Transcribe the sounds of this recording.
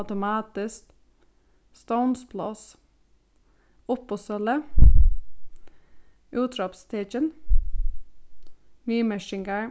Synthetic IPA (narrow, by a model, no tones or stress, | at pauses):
t̪ʊmɑːt̪ɪsk | st̪oʊnspʰlɑ̰s | ʊpɔsœlə | ʔʉːt̪ɾɑpst̪ʰeːt͡ʃən | niːməʃɪŋɡəɹ